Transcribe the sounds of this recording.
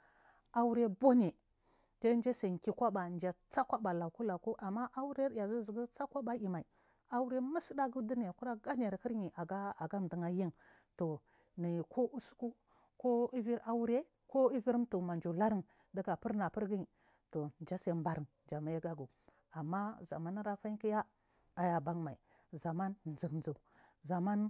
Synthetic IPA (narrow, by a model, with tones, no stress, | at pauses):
a˦wu˦ɾe˦bo˦ne˨ | te˦nd͡ʒe˦sa˨ŋ˨ki˦kʷa˦ba˨nd͡ʒa˨t͡sa˦kʷa˦ba˨la˨ku˦la˨ku˦ʔa˨mːa˦ʔa˦wu˦ɾe˦ɾja˨zi˦zi˨ɡu˦t͡sa˦kʷa˦ba˦ji˨ma˨i˨ | a˦wu˦ɾe˦mi˦si˦da˦ɡu˦di˦ne˨ku˦ɾa˦ɡa˦ne˨ɾki˦ɾɲi˨ʔa˨ɡa˦a˨ɡa˦m˨di˨ŋa˦ji˦n | to˨ | ni˨kʰo˦ʔu˦su̥˦ku˦ | ko˦i˦vi˦ɾʔa˦wu˦ɾe˦ | ko˦i˦vi˦ɾto˨ma˨nd͡ʒo˨la˦ɾi˦ŋ | da˦ɡa˨pi˦ɾna˨pi˦ɾɡi˦ɲi˨ | to˨nd͡ʒa˦se˨mba˦ɾə˨n | d͡ʒa˨ma˨˦ja˦ɡa˦ɡu˨ | a˨mːa˦za̰˨ma˦n˦ɾa˦fa˦i˦ki˦ja˦ | a˨ja˨ba˦ŋma˨ḭ˨ | za˨ma˦nzi˨knzu˨ | za˨ma˦n